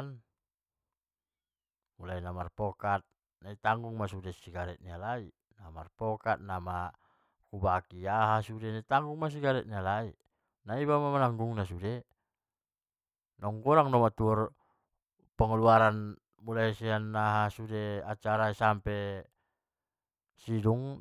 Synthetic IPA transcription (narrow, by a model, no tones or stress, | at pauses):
n | mulainamarpɔkat̪̚ | nait̪aŋɡuŋmasudesiɡaɾɛt̪̚nialai | namarpɔkat̪̚nama | kubakiaɦasudenait̪aŋɡuŋmas̬iɡaɾɛt̪̚nialai | naibamamanaŋɡuŋnasude | nɔŋɡɔɾaŋnɔmat̪uɔr | pəŋaluaɾan | mulaisianːaɦasudeat͡ʃaɾaisampɛ | siduŋ